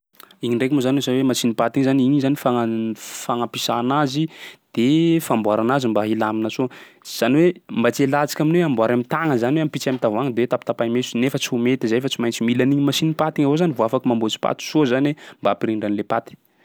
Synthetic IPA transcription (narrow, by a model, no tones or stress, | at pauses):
iɲiɳɖ͡ʐekumozanwezaniwemasinipat̪iŋzaniɲizanifaŋafaŋapisa̰ːnazid̪̥efambwaɾanazimbaɦilaminəso | z̥aniwembat͡sielat͡si̥kʲaminweambwaɾamit̪aŋəzaniweampit͡samit̪avaŋəd̪ewet̪apit̪apajmesu̥nefət͡siumet̪izajfat͡simajnt͡similaniɲimasinipat̪iŋavozanivoafakimambot͡si̥pa̰t̪i̥sozanwembapiɾiɳɖ͡ʐanlepat̪i̥